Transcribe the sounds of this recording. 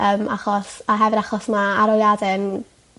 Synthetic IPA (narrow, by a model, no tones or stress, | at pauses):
əːmaχɔsaɦɛvɨɾaχɔsmaːɾɔljadɨn